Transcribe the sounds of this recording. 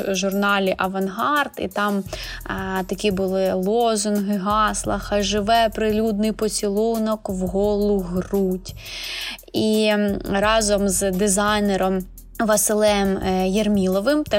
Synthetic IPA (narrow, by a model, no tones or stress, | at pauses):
ʒʊrnɑlʲiʔɐʋɐnɦɑrt̪ḭt̪ɑm | t̪ɐkʲibʊlˠɪlˠɔzʊnɦɪɦɑslˠɐxɐʒɪʋɛpɾɪlʲud̪nɪjpɔt͡sʲilˠunɔkwɦɔlˠʊɦrutʲ | iɾɑzɔmzd̪ɪzɑjneɾɔm | ʋɐsɪlˠɛmjermʲilˠɔʋɪmt̪